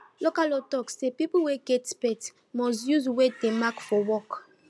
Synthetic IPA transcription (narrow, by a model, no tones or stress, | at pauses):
lokalotɔksepipwɛɡɛtspɛt | mɔsjuzwedemakfɔwɔk